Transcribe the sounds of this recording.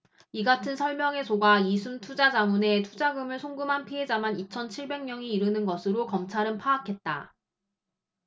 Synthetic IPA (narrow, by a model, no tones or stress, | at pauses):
iɡatʰɯnsʰʌɭmjʌŋe̞sʰoɡaisʰuntʰud͡ʑad͡ʑamune̞tʰud͡ʑaɡɯmɯɭsʰoŋɡɯmɦanpʰiɦe̞d͡ʑamanit͡ɕʰʌnt͡ɕʰiɭbe̞ŋɲjʌŋiiɾɯnɯnɡʌsʰɯɾokʌmt͡ɕʰaɾɯnpʰaːkʰe̞t̚t͈a̰